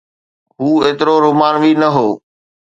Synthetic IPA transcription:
ɦuːeːt̪ɪɾoɾʊmaːnʋiːnəɦoː

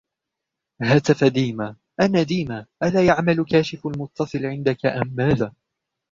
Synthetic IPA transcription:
haːt̪afad̪iːma | ʔanaːd̪iːmaːʔalaːjaʕmalkaːʃɪfalmʊt̪ːɑsˤɨlʕɪnd̪akaʔamːaːðaː

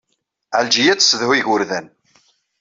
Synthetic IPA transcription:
ʕəld͡ʒijæt͡sːsðhiʝʊɾðæn

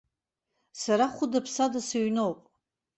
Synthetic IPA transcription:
saɾaχʷʊdapʰsadasaɥnowpʼ

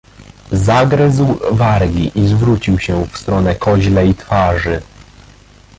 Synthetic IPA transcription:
zaɡɾɘzwvaɾɡʲiʔizvɾut͡ɕiwɕɛfst̪ɾɔnɛkʰɔʑlɛit̪faʐɘ

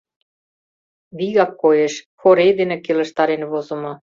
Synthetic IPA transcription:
βiɣɑkːojeʃ | xoɾed̪enĕkelə̆ʃt̪ɑɾenβozə̆mŏ

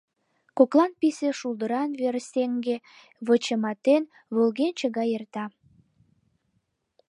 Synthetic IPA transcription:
koklɑnpiseʃuld̪əɾɑnβeɾseŋɡe | βət͡ɕəmɑt̪en | βolɣent͡ɕəɣɑjert̪ɑ

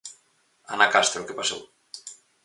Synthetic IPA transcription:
a̰nakast̪ɾokepaso̰w

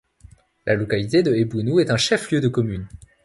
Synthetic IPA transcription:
lʔalɔkalit̪ed̪əebunuɛt̪ɛ̃ʃɛfljød̪əkɔmyn

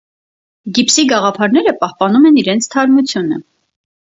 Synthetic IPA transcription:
ɡipsiɡɑʁɑpʰɑɾnɛɾəpɑhpɑnumɛniɾɛnt͡sʰt̪ʰɑɾmut͡sʰjunə

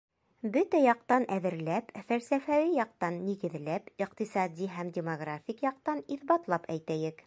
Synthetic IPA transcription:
bɵt̪æjɑq̚t̪ɑnʔæðɘ̆ɾlæpfælsæfæwijɑq̚t̪ɑnːiɡɘ̆ðlæpiqt̪isɑd̪ʲiɦæmdʲɪmoɡrafʲikjɑq̚t̪ɑniθbɑt̪lˠɑpæjt̪æjɘk

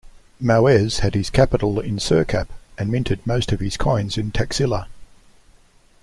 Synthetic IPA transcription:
maʊɛz̥hɨd̚ɪz̥kʰæpəɾl̩ˠɪ̃nsɜːˑkʰæ̰pɨ̃nmɪ̃ntʰɨd̚məʊstəv̥ɪz̥kʰɔ̃ɪ̃nzɪ̃ntʰɛksɪlˠə

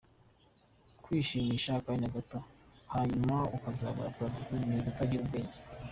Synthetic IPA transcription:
kwiːʃiːmiʃakaɲaɡatohaɲumaukazaːɡa̰ɾakuɾadusuimidutaɟiɾubɡe̞ːɲɟe̥

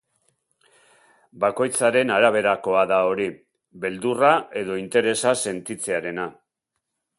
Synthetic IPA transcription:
bako̞jt͡saɾe̞naɾaβ̞e̞ɾako̞aðao̞ɾi | βe̞ld̪uraʔe̞ð̞o̞int̪e̞ɾe̞sase̞nt̪it͡se̞aɾe̞na

